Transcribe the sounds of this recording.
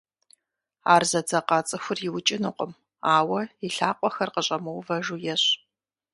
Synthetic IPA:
aːrzɐd͡zɐqɑːt͡sʼɨxʷʊrjɪwt͡ʃʼɪnɨqʷʼə̰m | aːwɐiɬaːqʷʼɔxɐrqəɕʼɐmɐwvɐʒujɛɕ

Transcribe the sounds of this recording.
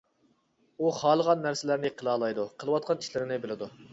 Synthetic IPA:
uχɑːlˠəʁɑnːæɾsɪlæɾnɪqʰəlˠɑːlˠɑjd̪uqʰəlˠəwɑt̪̚qʰɑniʃlɪɾɪnɪbɪlɪd̪u

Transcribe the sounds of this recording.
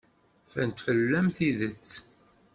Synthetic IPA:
fæ̰nt̪fəlːæmθiðət͡sː

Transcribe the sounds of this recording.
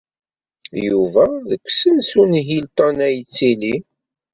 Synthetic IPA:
juvæðəkʷːsənsunɦilt̪ɑnæjt͡sːili

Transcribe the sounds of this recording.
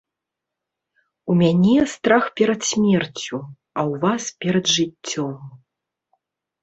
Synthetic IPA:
umʲanʲɛst̪ɾaxpʲɛɾɐt̪sʲmʲɛrt͡sʲu | ɐwvaspʲɛɾɐd̪ʐɨt͡sʲːɔm

